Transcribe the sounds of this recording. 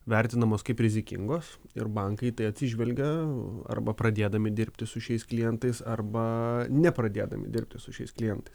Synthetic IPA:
ʋʲɛɾʲt̪ʲɪnɐmoːskɐɪpɾʲɪzʲɪkʲɪ̰ŋɡoːs | ɪ̰ɾbɐŋkɐɪt̪ɐɪɐt̪ʲsʲɪʒʲʋʲɛlʲɡʲɛɐ̰rbɐpɾɐd̪ʲeːd̪ɐmʲɪd̪ʲɪɾʲpʲt̪ʲɪsʊʃʲɛɪsklʲɪjɛnt̪ɐɪsɐrbɐnʲɛpɾɐd̪ʲeːd̪ɐ̰mʲɪ̰d̪ʲɪɾʲp̚ʲt̪ʲɪsʊʃʲɛɪsklʲɪjɛnt̪ɐɪs

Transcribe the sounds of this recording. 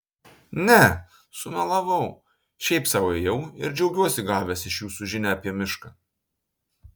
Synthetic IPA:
nʲɛ | sʊmʲɛlˠɐʋɐʊ | ʃʲɛɪpsɑːʊɛjɛʊɪɾd͡ʒʲɛʊɡʲuɔsʲɪɡɑːʋʲɛsɪʃjuːsuʒʲɪnʲɛɐpʲiɛmʲɪʃkɑː

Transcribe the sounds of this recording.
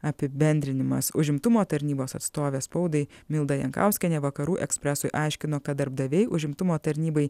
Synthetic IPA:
ɐpʲɪbʲɛnʲd̪ʲɾʲɪnʲɪmɐ̰sʊʒʲɪmt̪ʊmoːt̪ɐɾʲnʲiːboːsɐt̪st̪oːʋʲeːspɐʊd̪ɐɪmʲɪlˠd̪ɐjɛŋkɑ̰ˑʊsʲkʲɛnʲɛʋɐkɐɾuːʔɛksʲpʲɾʲɛsʊɪʔɑˑɪʃʲkʲɪnoːkɐt̪̚d̪ɐɾb̚d̪ɐʋʲɛɪʔʊʒʲɪmt̪ʊmoːt̪ɐɾʲnʲiːbɐɪ

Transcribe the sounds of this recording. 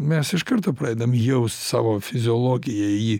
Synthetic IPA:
mʲɛsɪʃkɐɾt̪oːpɾɐɛɪd̪ɐmjɛʊsʲt̪ʲsɑ̰ːʋoːfʲɪzʲɪolˠoːɡʲɪjɛi

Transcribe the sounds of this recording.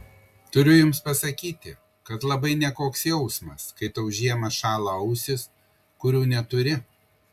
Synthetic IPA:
t̪ʊɾʲʊjʊmspɐsɐkʲiːt̪ʲɪ | kɐt̪lˠɐbɐɪnʲɛkoːksjɛʊsmɐskɐɪt̪ɐʊʒʲiɛmɐʃɑːlˠɐɐʊsʲɪs | kʊɾʲuːnʲɛt̪ʊɾʲɪ

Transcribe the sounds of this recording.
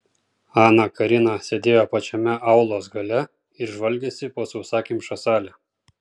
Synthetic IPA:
ɑːnɑkɐɾʲɪnɑsʲed̪ʲeːjoːpɐt͡ʃʲɛmʲɛʔɑˑʊlˠoːsɡɐlʲɛ | ɪɾʒʋɐlʲɡʲeːsʲɪpoːsɐʊsɑːkʲiːmʃɐsɑːlʲɛ

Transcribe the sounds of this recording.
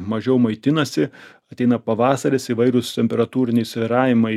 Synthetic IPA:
mɐʒʲɛʊmɐɪt̪ʲɪnɐsʲɪ | ɐt̪ʲɛɪnɐpɐʋɑːsɐɾʲɪsiʋɐɪɾʊst̪ʲɛmʲpʲɛɾɐt̪uːɾʲɪnʲɛɪsʲʋʲɪɾɑːʋʲɪmɐɪ

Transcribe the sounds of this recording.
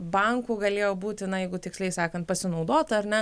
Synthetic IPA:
bɐŋkuːɡɐlʲeːjoːbuːt̪ʲɪnɐjɛɪɡʊt̪ʲɪksʲlʲɛɪsɑːkɐnt̪̚pɐsʲɪnɒʊd̪oːt̪ɐɐɾʲnʲɛ

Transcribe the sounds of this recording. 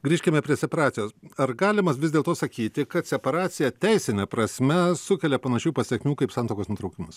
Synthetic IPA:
ɡɾʲiːʃʲkʲɪmʲɛpʲɾʲiɛsʲɛpɐɾɑːt̪sʲɪjoːsɐɾɡɑːlʲɪmɐsʋʲɪzʲd̪ʲeːlˠt̪oːsɐkʲiːt̪ʲɪkɐt̪sʲɛpɐɾɑːt̪sʲɪjɛt̪ʲɛɪsʲɪnʲɛpɾɐsʲmʲɛsʊkʲɛlʲɛpɐnɐʃʲuːpɐsʲɛkʲmʲuːkɐɪpsɑːnt̪oːkoːsnʊt̪ɾɐʊkʲɪmɐs

